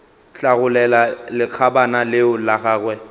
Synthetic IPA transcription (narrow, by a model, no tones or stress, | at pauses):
ɬaɣʊlɛlalɪq͡χʰabanalɪʊlaɣaːɣwɛ